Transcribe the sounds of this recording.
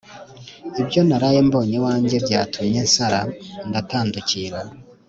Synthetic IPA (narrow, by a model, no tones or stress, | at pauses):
ibjo̞naɾaje̞ːmbo̞ːɲewaːɲɟe̞bɟaːtʰumɲensaɾandataːnduciɾa